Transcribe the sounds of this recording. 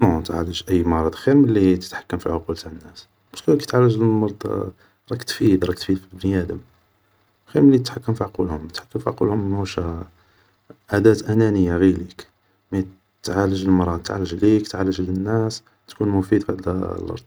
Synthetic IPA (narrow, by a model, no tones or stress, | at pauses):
not̪ʕa̰ləʒʔəjːmɑɾˤɑd̪ˤxiɾməlːit̪ə̥t̪ħḁkːəmfiʕʊqult̪aʕənːæs | bæʃkulkt̪ʕalːəʒləlmɑɾˤd̪ˤ | ɾˤɑkt̪fid̪ɾˤɑk̚t̪fid̪fibniæd̪əm | xiɾməlːit̪ət̪ħakːəmfiʕqulhʊmət̪ħḁkːəmfiʕqulhʊmːnhuʃ | ʔad̪æt̪ʔænænəjːaɣilik | mæ | t̪ʕaləʒəlmɑɾˤɑd̪̚t̪ʕa̰lːəʒlikt̪ʕaləʒlənːæs | t̪kunmʊfid̪fæd̪l̰lʔɑ̰ɾˤd̪ˤ